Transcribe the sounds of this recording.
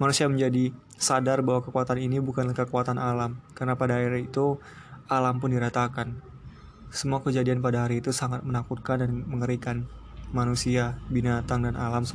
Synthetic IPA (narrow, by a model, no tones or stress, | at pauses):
manusiaməɲd͡ʒadi | sadarbaɦwakəkuat̪aninibukanlahkəkuat̪anʔalamkarənapadaaiɾit̪u | alampʊndiɾat̪akan | səmuakəd͡ʒadianpadaɦaɾiːt̪usaŋat̪̚mənakut̪̚kandanməŋəɾikanmanusiabinat̪aŋdanalams